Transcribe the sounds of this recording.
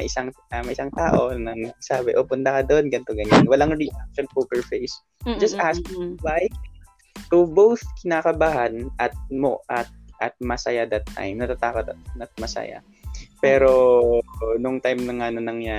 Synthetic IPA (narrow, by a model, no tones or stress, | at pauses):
ɐʔɪsaŋ | ɐmɐʔɪsaŋt̪aːʔo̞nɐŋɡsaːbɛʔopʊnt̪ɐkɐd̪o̞nɡɐnɪt̪oɡɐɲːanwɐlaŋɹiʔak̚ʃonpupɛɹfejs | d͡ʒɐst̪ʔaskwajkɪ | t̪ubowθkɪnaːkɐbahanʔɐt̪̚mo̰ʔɐt̪̚ʔɐt̪̚mɐsɐjad̪ɐt̪ʰːa̰jmnɐt̪at̪aːkot̪ɐt̪̚nɐt̪̚mɐsa̰ja̰ | pɛːɾo | nʊŋt̪ajmnɐŋanɐnɐŋja